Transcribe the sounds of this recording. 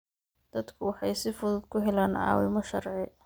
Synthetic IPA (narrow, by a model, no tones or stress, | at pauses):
d̪̥ɐd̪kʰʊwɑħɑjsɪfʊðʊd̪̚kʰʊɦɛlaːnʕɑ̰ːwɪmɔʃɐrʕɪ